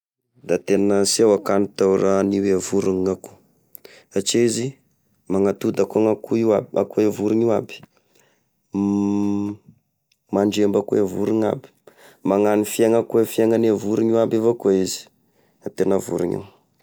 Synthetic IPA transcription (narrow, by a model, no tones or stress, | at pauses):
d̪at̪enəsiawakanit̪awɾaniweavuɾuŋaku̥ | at͡ʃezi | maŋat̪ud̪akaŋakuiaba̰koevuɾiɲiwabi̥ | maɳɖ͡ʐembakuevuɾiŋa̰bi̥ | maŋanifieŋakuefieŋanavuɾiɲiwabevakoizi̥ | at̪enəvṵɾḭɲḭw